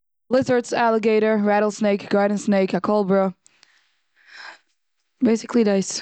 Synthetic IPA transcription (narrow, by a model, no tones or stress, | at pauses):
lɪzə˞tsælˠəɡeɪɾə˞ɹæɾl̩ˠsneɪkɡ̥ɑɹdⁿn̩sneɪkəkʰolˠbɹoʊ | beɪsɨklidaɪs